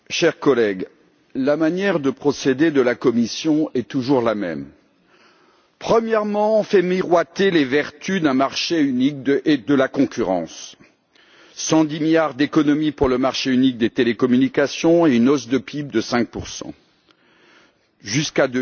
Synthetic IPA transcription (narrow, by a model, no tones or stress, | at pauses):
ʃɛʁkɔlɛɡ | lamanjɛʁd̪əpχɔsed̪ed̪əlakɔmisjɔ̃ɛt̪uʒuʁlamɛ̰m | pχəmjɛʁmɑ̃fɛmiʁwat̪elevɛʁt̪yd̪ɛ̃maʁʃeynik̚d̪əʔed̪əlakɔ̃kʲyʁɑ̰̃s | ɑ̃d̪imiljaʁd̪ekɔnɔmipuʁləmaʁʃeynik̚d̪et̪elekɔmynikasjɔ̃eynɔsd̪əpʰib̚d̪əsɛ̃k̚puʁsɑ̰̃ | ʒyskad̪ø